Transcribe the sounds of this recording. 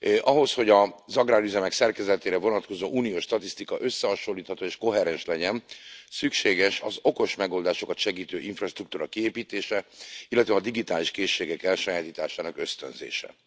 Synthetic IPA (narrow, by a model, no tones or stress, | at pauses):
ʔɒɦo̞sho̞ɟɒzɒɡrɾaːɾyzɛmɛksɛrkɛzɛt̪eːɾɛvo̞nɒt̪ko̞zoːʔuːnijoːʃʃt̪ɒt̪ist̪ikɒʔø̞sːɛɦɒʃolːiːt̪hɒt̪oːeːʃko̞ɦɛɾɛnʃlɛɟɛnsykʃeːɡɛʃɒzo̞ko̞ʃmɛɡo̞ld̪aːʃo̞kɒt̪ʃɛɡiːt̪øːʔiɱfrɒʃt̪ruk̚t̪uːɾɒkieːpiːt̪eːʃɛilːɛt̪ʋɛɒd̪iɡit̪aːliʃkeːʃːeːɡɛkɛlʃɒjaːt̪iːt̪aːʃaːnɒkø̞st̪ø̰nzḛːʃɛ̰